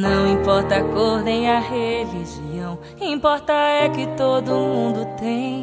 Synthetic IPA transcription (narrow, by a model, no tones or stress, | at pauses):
nɐ̃w̃ĩpɔɾt̪ɐkoɾd̪ẽj̃ɐɦeliʒiɐ̃w̃ | ĩpɔɾt̪ɐɛkɪt̪od̪ʊmũd̪ʊt̪ẽj̃